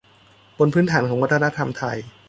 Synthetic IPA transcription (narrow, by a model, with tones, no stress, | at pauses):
bo˧npʰɯː˦˥nt̪ʰaː˩˦nkʰɔː˩˦ŋwa˦˥t̪ʰːa˧na˦˥t̪ʰa˧mt̪ʰa˧j